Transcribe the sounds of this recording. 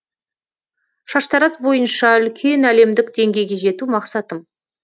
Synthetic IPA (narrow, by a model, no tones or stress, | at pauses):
ʃɑʃt̪ɑɾɑsbo̞jənʃɑʏlkʲʰe̞næle̞md̪ɪkd̪e̞ŋɡʲe̞jɡʲe̞ʒe̞t̪umɑqsɑt̪əm